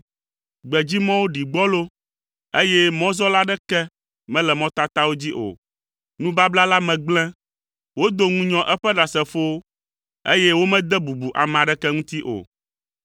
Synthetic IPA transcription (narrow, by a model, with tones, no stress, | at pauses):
ɡ͡bɛ˨d͡ʑi˦mɔ̃˦wo˦ɖi˨ɡ͡bɔ˦lo˦ | e˦jɛ˦mɔ̃˦zɔ˦la˦ɖɛ˦kɛ˦ | mɛ̃˦lɛ˨mɔ̃˦t̪a˦t̪a˦wo˦d͡ʑi˦ʔo̰˨ | nũ˦ba˦bla˦la˦mɛ̃˨ɡ͡blɛ̃˦ | wo˦d̪o˦ŋũ˦ɲɔ̃˦ʔɛ˦ɸɛ˦ɖa˨sɛ˨fo˦wo˦ | e˦jɛ˦wo˦mɛ̃˦d̪ɛ˦bu˨bu˨ʔa̰˨mɛ̃˨a˨ɖɛ˦kɛ˦ŋũ˦t̪i˦ʔo̰˨